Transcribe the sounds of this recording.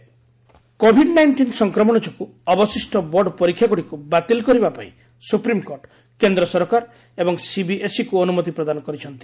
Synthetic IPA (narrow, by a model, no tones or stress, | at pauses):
kobʱiɖnajɳʈinsɔŋkɾɔmɔɽ̃ɔt͡ʃɔku | ɔbɔsisʈɔbɔɖɔpɔɾikʰːjakuɽikubat̪ilkɔɾibapaḭ̃ | supɾimkoɾʈ | kend̪ɾɔsɔɾɔkaɾ | ebɔŋsibiʔesikuɔnumɔt̪ipɾɔd̪anɔkɔɾit͡ʃʰɔnt̪i̥